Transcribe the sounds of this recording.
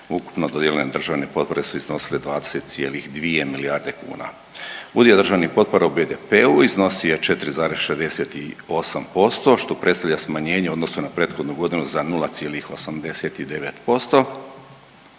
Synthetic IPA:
uku̥pnod̪od̪jelʲened̪r̩ʒaʋnepo̞t̪po̞ɾesuizno̞siled̪ʋaːd̪eset̪t̪sije̞lixd̪ʋie̞miliaːɾd̪e̞kṵːna̰ | ud̪iod̪r̩ʒaʋnixpo̞t̪̚po̞ɾaubed̪epeuizno̞siet͡ʃe̞t̪ɾizaːɾe̞zʃezd̪eset̪io̞sampo̞st̪o̞ʃt̪o̞pɾʔest̪aʋʎasmaɲe̞ːɲeo̞d̪nosnunapɾeːt̪xo̞d̪nuɡo̞d̪inuzanulˠat̪sijelixo̞samd̪e̞set̪id̪e̞ʋet̪po̞st̪o̞

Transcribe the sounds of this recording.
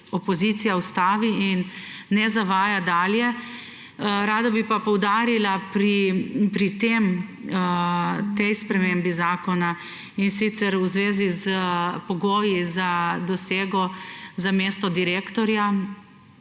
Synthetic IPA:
ɔpɔzit̪sijawst̪aːʋiinː | ɛzaʋaːjad̪aːljɛ | ɾaːd̪abipapɔwd̪aːɾilapɾipɾit̪em | t̪ɛjspɾɛmembizaːkɔna | insit̪sɛɾwzʋeːzizəpɔɡoːjizad̪ɔseːɡɔzameːst̪ɔd̪iɾeːkt̪ɔɾja

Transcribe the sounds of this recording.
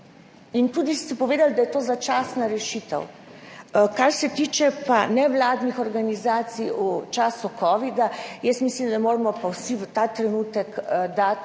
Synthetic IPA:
int̪uːd̪ist̪ɛpɔʋeːd̪ald̪ajɛt̪oːzat͡ʃaːsnaɾɛʃit̪ə̰w | kaɾsɛt̪iːt͡ʃɛpanɛʋlaːd̪nixɔɾɡanizaːt̪sijut͡ʃaːsukɔːʋid̪ajɛsmislimd̪amoːɾmɔpawsiʋət̪at̪ɾɛnut̪əkd̪at̪

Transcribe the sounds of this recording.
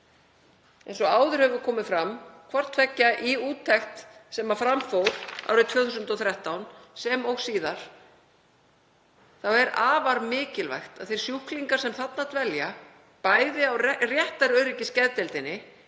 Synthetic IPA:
ɛejnsɔaːwðʏɾ̥hɛvʏɾkʰɔːmɪfɾamkʰvar̥t̪fɛcːaʔiuːt̪ʰːɛxt̪sɛmafɾamfowɾ̥a̰wɾɪt̪ʰvœːθusʏnt̪ɔθɾɛht̪awnsɛmɔɣsiːðaɾ̥ | θawɛɾaːvaɾmɪːcɪlva̰jxt̪aðθejɾ̥sjuhkliŋkaɾ̥sɛmθat̪nat̪vɛlja | paːjðɪawrjɛht̪aɾœɥɾɪcɪscɛðt̪ɛlt̪ɪnːɪ

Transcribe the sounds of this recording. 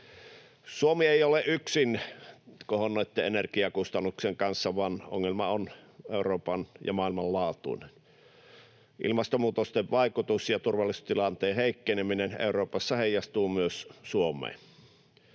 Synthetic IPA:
suomieˑioleʔʔyksin | kohonnoˑit̪ːeenerkiɑkust̪ɑnːukseŋkɑnsːɑʋɑno̰ŋːelmɑoneˑuroːpɑnjɑ̰mɑˑilmɑllɑːt̪ṵnen | ʔḭlmɑst̪omuːt̪ost̪eʋʋɑˑikut̪usjɑt̪urʋɑlːˑisu̥st̪ilɑnt̪eːheˑikːeneminenḛˑuroːpɑsːɑheˑijːˑɑst̪uːmyøssuomˑḛːn

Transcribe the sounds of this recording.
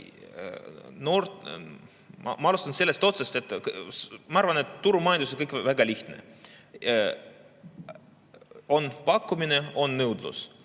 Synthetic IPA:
noːrt̪ | mʔɑ̰mɑɑlust̪ɑnse̞lːe̞st̪o̞t̪sest̪et̪ːkmɑɑɾvɑne̞t̪ːuɾumɑjnd̪us̬onkɤjkvæɡɑliçt̪nḛ | o̞npɑkːumineo̞nːɤwd̪lṵs

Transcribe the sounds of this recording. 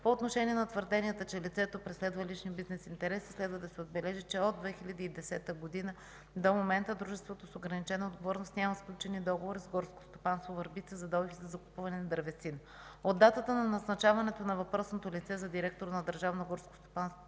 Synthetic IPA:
poːt̪noʃɛniɛnɐt̪vəɾd̪ɛniɛt̪ət͡ʃɛlit̪sɛt̪opɾɛslɛd̪vɐliʃnibiznɛsint̪ɛɾɛsi̥slɛd̪vəd̪ɐsɛod̪bɛlɛʒit͡ʃɛod̪ːvɛxilʲɐd̪iːd̪ɛsɛt̪əɡod̪inə | d̪omomɛnt̪əd̪ɾuʒɛst̪vot̪osoɡɾɐnit͡ʃɛnəod̪ɡovɔɾnost̪nʲamɐsklʲut͡ʃɛnid̪ɔɡovoɾizɡɔɾsko̥st̪opanst̪vovɐɾbit̪sɛzɐd̪ɔvʲizɐzɐkupuvɐnɛnɐd̪əɾvɛt̪sinə | od̪ːat̪ət̪ənɐnɐznɐt͡ʃavɐnɛt̪onɐvɐpɾɔsnot̪olʲit̪sɛzɐd̪iɾɛk̚t̪oɾnɐd̪əɾʒavnoɡɔɾsko̥st̪o̥panst̪vo

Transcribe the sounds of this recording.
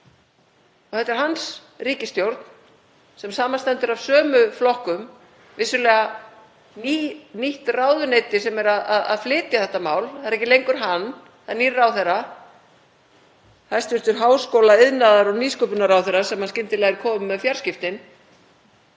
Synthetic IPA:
ɔθɛt̪ɛɾ̥ɦans | riːcɪst̪jowɾt̪n̥ | sɛmsaːmanst̪ɛnt̪ʏɾav̥sœːmʏflɔhkʏm | vɪsʏlɛːɣa | niniht̪raːwðʏnejt̪ɪsɛmɛɾaðaða̰ðflɪːt̪jaθɛht̪amaːwlɛðaɾɛcɪlejŋkʏɾ̥ɦanː | θɛaðɾnirːawθɛrːa | θast̪vʏɾ̥t̪ʏɾ̥ɦaːwskowlaɪðnaðaɾɔɣniːskœpʏnaɾawθɛrːasɛmhanscɪnt̪ɪlɛɣɪɾkʰɔːmʏmːɛðfjaɾ̥scɪft̪ɪn

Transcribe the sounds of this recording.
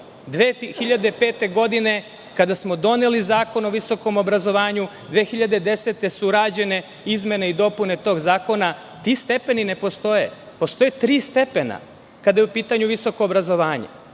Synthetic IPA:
d̪ʋeːxiʎad̪epe̞ːt̪e̞ɡo̞d̪ine̞ | kad̪asmo̞d̪o̞ne̞lizaːko̞no̞ʋiso̞ko̞mo̞bɾazo̞ʋaːɲu | d̪ʋeːxiʎad̪e̞d̪e̞set̪e̞suɾaːd͡ʑe̞ne̞ | izme̞neid̪o̞pune̞t̪o̞ːɡzaːko̞na | t̪iːst̪e̞pe̞nine̞po̞st̪o̞jḛ | po̞st̪o̞jet̪ɾiːst̪e̞pe̞na̰ | kad̪ajeupiːt̪aɲuʋiso̞ko̞ːbɾazo̞ʋaːɲḛ

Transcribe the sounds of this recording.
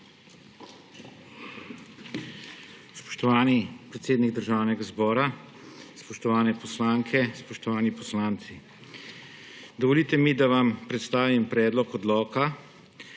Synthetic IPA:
spɔ̥ʃt̪ɔʋaːnipɾɛt̪seːd̪niɡ̚d̪əɾʒaːwnɛɡazbɔːɾa | spɔʃt̪ɔʋaːnɛpɔslaːŋkʰɛspɔʃt̪ɔʋaːnipɔslaːnt̪si | d̪ɔʋɔliːt̪ɛmid̪aʋampɾɛt̪st̪aːʋimpɾɛːd̪lɔkɔd̪lɔːka

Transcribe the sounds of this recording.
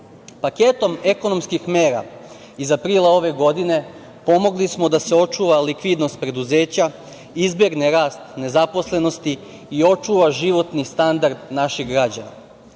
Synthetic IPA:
pake̞t̪o̞me̞ko̞no̞mskixme̞ːɾa̰ | izapɾiːlˠao̞ʋe̞ɡo̞d̪ine̞ | po̞mo̞ɡlismo̞d̪ase̞o̞t͡ʃuːʋalikʋid̪no̞st̪̚pɾe̞d̪uze̞ːt͡ɕa | izbeɡneɾaːst̪ne̞zapo̞sle̞no̞st̪iː | o̞t͡ʃuːʋaʒiʋo̞t̪nist̪and̪aɾd̪naʃiɣɡɾad͡ʑa̰na̰

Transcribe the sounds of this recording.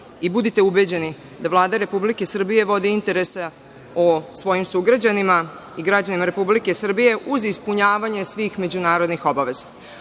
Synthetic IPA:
ibud̪it̪e̞ube̞d͡ʑe̞ni | d̪aʋlˠaːd̪aɾe̞publike̞sr̩bije̞ʋo̞d̪iint̪e̞ɾe̞se | osʋo̞jimsuɡɾad͡ʑanima | iɡɾad͡ʑanimaɾe̞publike̞sr̩bije̞ʔuzispuɲaːʋaɲe̞sʋiːxme̞d͡ʑunaːɾod̪nixo̞baʋe̞zḁ

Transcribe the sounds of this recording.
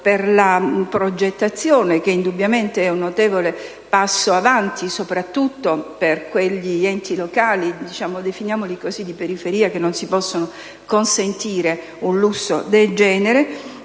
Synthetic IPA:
perlapɾod͡ʒet̪ːat̪sːjoːnek̟eind̪ubːjament̪eɛunːot̪eːvole | pasːoavant̪isopɾat̪ːut̪ːoperkweʎːiɛnt̪ilokaːlid̪it͡ʃaːmod̪efinjaːmolikɔːzid̪ipeɾifeɾiːakenːonsipɔsːono | konsent̪iːɾe | unlusːo̰d̪eld͡ʒɛːneɾe

